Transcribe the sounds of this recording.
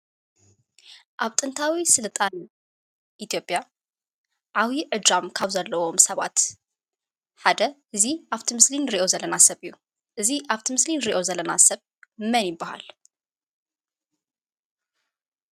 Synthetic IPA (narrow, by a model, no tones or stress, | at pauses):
ʔaβt̪ʼɨnt̪ʰawisɨlt̪ʼan | ʔit̪ʰjo̞pʼja | ʕawiʕɨd̪ɾamkʰaβzɐlːɐwo̞msɐβa̰t̪ | ħad̪ɐʔɨziʔaβt̪ʰimɨslinɨɾiʔo̞zɐlːɐnasɐβɨjːu | ʔɨziʔaβt̪ʰimɨslinɾiʔo̞zɐlːɐna̰sɐβ | mɐnjɪbːaha̰l